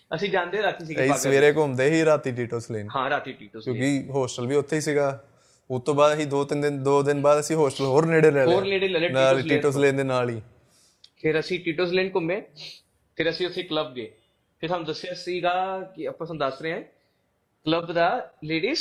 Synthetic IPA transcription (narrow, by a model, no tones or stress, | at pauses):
əsĩːd͡ʒãːnd̪eːɾaːt̪iːs̬iːɡisəʋeːɾeːkomd̪eːɦiːɾaːt̪iːʈ̬iːʈəlsleːnhãːɾaːt̪iːʈiːʈəlskjõːkiɦoːsʈəlʋiːʊt̪ʰːeːiːsiːɡaː | ot̪õːbaːd̪siːd̪oːt̪ɪnd̪ɪnd̪oːd̪ɪnbaːd̪əsĩːɦoːsʈəlɦoːɾneːɽeːlɛːlɦoːɾneːɽeːlɛːleːnaːlːiːʈəslẽːnd̪eːnaːliː | pʰɪɾəsĩːʈiːʈəls̬leːnkʊmbẽː | pʰɪɾəsĩːʊsʰĩːkləb̚ɡeː | pʰɪɾt̪ʰaːnũːd̪əsːasiːɡaːkɪəpat̪ːd̪əsɾeːãː | kləbd̪aːleːɽiːs